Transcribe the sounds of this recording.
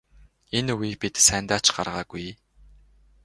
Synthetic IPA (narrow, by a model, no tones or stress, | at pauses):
enuɣiːpit̪sæːnt̪aːt͡ɕɢa̰rʁaːɡuj